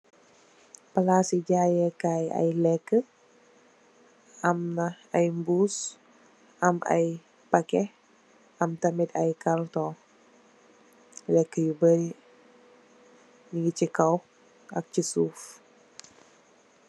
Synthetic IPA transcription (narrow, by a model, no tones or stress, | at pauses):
palasid͡ʒajəkaja̰jlɛkə | amnah | ajmbus | amʔa̰j | pakɛh | amt̪amit̪a̰jkalt̪ɔ | lɛkəjubəi | niɡit͡ʃikaw | a̰k̚t͡ʃisuf